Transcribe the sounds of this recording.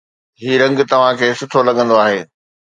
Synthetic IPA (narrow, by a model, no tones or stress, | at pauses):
ɦiːɾɐ̃ŋɡ̆t̪ɐʋ̤ãkʰeːsʊʈʰolɐɠə̃nd̪oaːɦeː